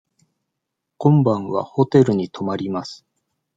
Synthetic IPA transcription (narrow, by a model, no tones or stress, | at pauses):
kõ̞mbãɰ̃βa̰ho̞t̪e̞ɾɯ̟ɲ̟it̪ʰo̞maɾʲimasɨ̥